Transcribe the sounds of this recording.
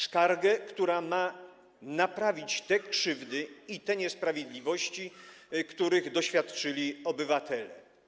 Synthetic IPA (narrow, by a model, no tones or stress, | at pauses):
skaɾɡɛkt̪uɾama | napɾavʲit͡ɕt̪ɛkʂɘvd̪ɘit̪ɛɲɛspɾavʲjed̪lʲivɔɕt͡ɕikt̪uɾɘɣd̪ɔɕfʲjat̪t͡ʂɘlʲiɔbɘvat̪ɛlɛ